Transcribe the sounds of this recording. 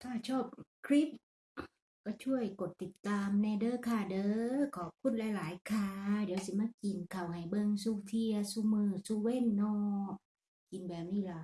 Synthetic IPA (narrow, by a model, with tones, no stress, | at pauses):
t̪ʰaː˧˩t͡ɕʰɔː˧˥˩p̚kʰɾi˦˥p̚ | ka˧˩t͡ɕʰu˧˥˩əjko˨˩t̪ːi˨˩t̪ːaː˧mnɛː˧dɤː˧˨kʰaː˧˩dɤː˧˦˧kʰɔː˨˩p̚kʰu˧˥˨n̚lɛː˧˩jlaː˨˦jkʰaː˧deː˨˦əwsi˧˦maː˧˥˨ki˨˩nkʰa˨˩wha˨˩jbɤ˧ŋsuː˧t̪ʰi˧ɐsuː˧mɯː˧˩suː˧we˧˥˨nːɔː˧˩ | ki˨nbɛː˨˩p̚niː˧˩˨la˧˨